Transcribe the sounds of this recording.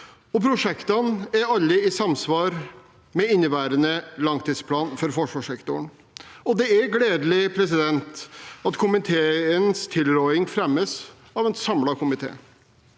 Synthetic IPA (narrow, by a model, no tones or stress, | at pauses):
ɔpʰɾʊʂɛkt̪ɑnæɾɑlːəɪsɑmsʋɑːɾ | mɛɪnːəʋæːɾənəlɑŋt̪ʰiːspʰlɑːnfɔɾfɔʂʋɑːʂɛkt̪ʊɳ | ɔd̪ɛæɾɡleːd̪lɪpʰɾɛsɪd̪ɛnt̪ɑt̪kʰʊmɪt̪ʰeːənst̪ʰɪlɾɔʏɪŋfɾɛmːəs | ɑːʋɛnsɑmlɑkʰʊmɪt̪ʰḛː